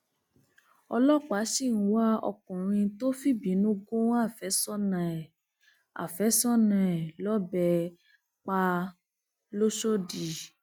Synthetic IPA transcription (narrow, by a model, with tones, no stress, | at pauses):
ɔ˧lɔ˦˨k͡pa˨˦si˦˨n̩˨˦wa˦ɔ̰˧kɔ̃˨ɾ̃ĩ˧to˦fi˦bĩ˨˦nũ˦ɡõ˦a˦˨fɛ˨˦sɔ˦nã˨ɛ˨ | a̰˨fɛ˨˦sɔ˦nã˨ɛ˨lɔ˦bɛ˧ | k͡pa˧ | lo˦ʃo˦di˨